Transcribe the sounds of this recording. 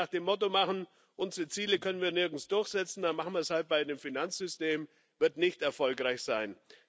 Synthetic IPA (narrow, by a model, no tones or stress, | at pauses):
aːχd̥eːmːɔtomaχn̩ | ʔʊnzəʁət͡siːləkʰœnənviːɐnɪɐɡn̩sd̥ʊɐçz̥ɛt͡sn̩d̥anmaχn̩viɐshalt̚b̥aɪdeːmfinant͡sz̥ʏsteːm | vɪɐtnɪçtɛɐfɔlkʁaɪçz̥aɪn